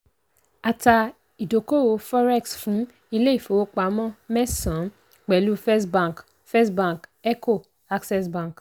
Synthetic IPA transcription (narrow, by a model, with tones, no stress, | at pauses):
a˨ta˧ | i˨do˨ko˦˨wo˧fɔ˦ɾɛ˦˨ksfũ˨˦ | i˦˧le˦i˦˨fo˨o˦k͡pa˨˦mɔ̃˦mɛ˦sã˨˦ | k͡pɛ˨lu˦fɛ˦sbã˦˨k | fɛ˦sbã˦˨kɛ˦ko˦˨ | a˦ksɛ˦sbã˦˨k